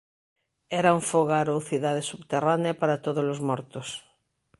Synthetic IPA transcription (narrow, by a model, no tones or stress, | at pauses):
ɛɾauɱfoɣaɾowθiðað̞esuβt̪eraneapaɾat̪oð̞ozlozmɔɾt̪os